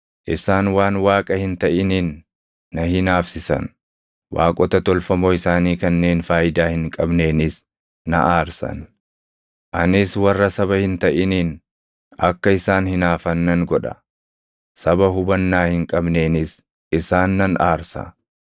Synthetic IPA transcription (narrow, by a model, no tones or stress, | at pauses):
ʔɪsaːnwaːnwaːkʼɐhɪnt̪ɐʔɪniːnː | ɐhɪnaːfsɪsɐ̰n | wa̰ːkʼɔt̪ɐt̪ɔlfɐmoːɪsaːniːkɐnːe̞ːnfaːjɪd̪aːhɪŋkʼɐbne̞ːnɪs | nɐ̰ʔaːɾsɐ̰n | ʔɐnɪswɐrːɐsɐβɐhɪnt̪ɐʔɪniːn | ɐkːɐɪsaːnhɪnaːfɐnːɐŋɡɔᶑɐ̥ | sɐbɐɦʊbɐnːaːhɪŋkʼɐbne̞ːnɪs | ʔɪsaːnːɐnaːɾsɐ̰